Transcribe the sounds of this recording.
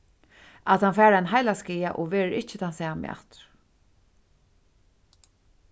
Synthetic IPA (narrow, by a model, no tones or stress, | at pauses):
ʔat̪hanfæːɾanɦajlaskiːaʔɔʋeːɾəɾɪt͡ʃɪt̪ʰansɛːamɛ̰a̰t̪ɾ